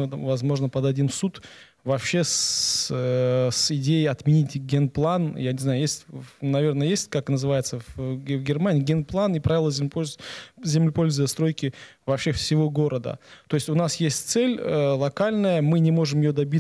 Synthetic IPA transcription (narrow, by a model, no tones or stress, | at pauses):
vɐzmo̞ʐnəpəd̪ɐdʲimsut̪ | vɐpɕːe̞s | sɪdʲejɪɐt̪mʲɪnʲitʲɡʲenplˠanjanʲɪznajʊjesʲtʲvnɐvʲe̞rnəjəjesʲtʲkaknəzɨvajɪt̪səvvɡʲɪrmanʲɪiːɡʲenplˠanɪpɾavʲɪlˠəzʲɪp | zʲɪmlʲɪpo̞lʲzʊjəst̪ɾo̞jkʲɪvɐpɕːe̞fsʲɪvo̞ɡo̞ɾəd̪ə̰t̪o̞jɪsʲtʲʊnasjesʲtʲt̪sɛlʲəlˠɐkalʲnəjəmɨnʲɪmo̞ʐɨmjɪjod̪ɐbʲi